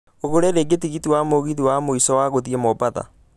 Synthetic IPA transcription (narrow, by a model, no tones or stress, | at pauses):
oɣoɾeɾeɡetiɣitiwamoɣiðiwamoisɔwaɣoðiɛmɔbaða̰